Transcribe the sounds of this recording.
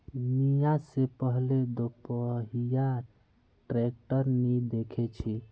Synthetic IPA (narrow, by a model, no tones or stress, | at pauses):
nijasepəɦled̪opəɦija | ʈɾek̚ʈəɾnid̪ekʰet͡ʃʰi